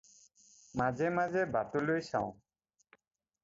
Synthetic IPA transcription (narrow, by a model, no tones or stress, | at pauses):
mazɛmazɛbatulojsãʊ̃